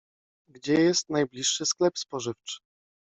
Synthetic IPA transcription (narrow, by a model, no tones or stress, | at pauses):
ɡd͡ʑɛjɛst̪najblʲiʂːɘsklɛpspɔʐɘft͡ʂɘ̥